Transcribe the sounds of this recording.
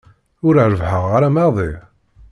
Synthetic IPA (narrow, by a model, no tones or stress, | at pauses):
ʊɾəʕɾəvħəʁːaɾæmɑðˤi